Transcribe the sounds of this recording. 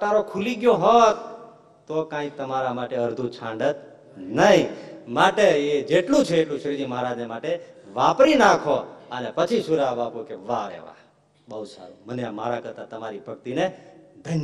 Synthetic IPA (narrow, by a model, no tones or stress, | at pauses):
t̪aɾokʰuliɡjoɦɔt̪ː | okãĩt̪əmaɾamaʈeəɾd̪ʱũt͡ʃʰãɳɖət̪ | nəɦĩmaʈeed͡ʒeʈlũt͡ʃʰeːʈlũʃɾid͡ʒ̪iməɦɾad͡ʒnemaʈeʋapɾinakʰoənepət͡ʃʰisʃuɾaʋapukeʋaḛʋa̰ | bəɦud̪sa̰ɾṵ̃məneamaɾakəɾt̪at̪əmaɾibʱəɡ̚t̪ined̪ʱənj